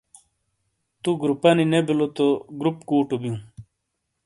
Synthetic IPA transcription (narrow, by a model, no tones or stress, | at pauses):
t̪uɡɾupɐninebilot̪oɡɾupkuːʈubijũ